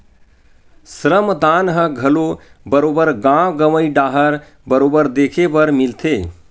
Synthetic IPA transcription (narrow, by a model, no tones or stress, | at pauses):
sɾəmd̪anɦəɡʱəlobəɾobəɾɡãɡəməjɖaɦəɾ | bəɾobəɾd̪ekʰebəɾmilt̪ʰe